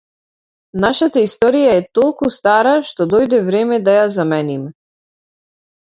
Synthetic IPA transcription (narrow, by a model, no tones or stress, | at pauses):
naʃat̪aist̪ɔɾijaɛt̪ɔlˠkust̪aɾaʃt̪ɔd̪ɔjd̪ɛvɾɛmɛd̪ajazamɛnimɛ